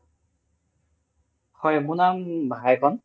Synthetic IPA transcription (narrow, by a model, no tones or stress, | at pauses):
xɔjmunambʱaajkʰɔn